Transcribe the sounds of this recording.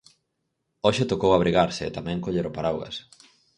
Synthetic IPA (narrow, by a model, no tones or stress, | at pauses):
oʃɪt̪okowaβ̞ɾiɣaɾsɪ̰ːt̪amɛ̃ŋkoʎeɾopaɾawɣɐ̰s